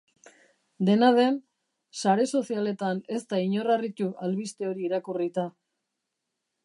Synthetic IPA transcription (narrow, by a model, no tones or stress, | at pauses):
d̪e̞naðe̞n | saɾe̞so̞siale̞t̪ane̞st̪aiɲo̞rarit̪uʔalβist̪e̞o̞ɾiːɾakurit̪a